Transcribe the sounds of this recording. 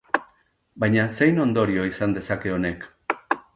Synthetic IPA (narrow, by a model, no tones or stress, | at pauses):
bajɲase̞jno̞nd̪o̞ɾio̞isand̪e̞sake̞o̞ne̞k